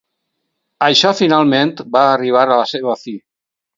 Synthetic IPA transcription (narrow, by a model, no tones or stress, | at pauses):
əʃɔfinalˠment̪baːriβ̞aɾələseβ̞əfi